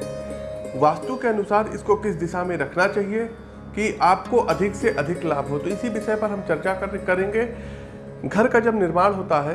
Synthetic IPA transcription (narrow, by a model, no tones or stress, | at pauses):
ʋaːst̪ũkeɐnʊsaːɾɪ̰skokɪs̬d̪ɪʃamẽɾɐkʰnat͡ʃaːɦie | kiʔaːpkoʔɐd̪ʱɪkseʔɐd̪ʱɪklaːbɦot̪oɪsibɪʃəjpɐɾɦɐmt͡ʃɐɾt͡ʃakɐɾkɐɾẽːŋɡe | ɡʱɐɾkad͡ʒɐbnɪɾmaːɽ̃ɦoːt̪aɦɛː